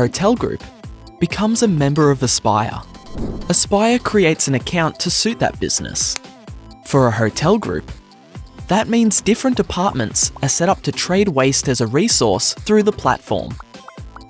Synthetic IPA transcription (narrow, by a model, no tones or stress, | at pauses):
oʊtʰɛlˠɡɹʉ̰p | b̥ɨkʰʌ̃mzɨmɛ̃mbə˞ʌvəspa̰ɪə̰˞ɨspaɪə˞kʰɹ̥ieɪtsɨ̃nɨkʰãʊ̃ntʰɨsʉt̪̚ðɨ̰t̚b̥ɪ̰z̥nɨ̰s | fə˞əɦoʊtʰɛlˠɡɹʉ̰p̚ | ðɨt̚mĩnzdɪfɹɨ̃nd̥ɨpʰɑɹt̚mɨ̰̃ntsəsɛɾʌp̚tʰɨtʰɹ̥eɪd̚weɪstɨzɨɹisɔ̰ɹsθɹʉðəpʰl̥æ̰tfɔ̰ɹm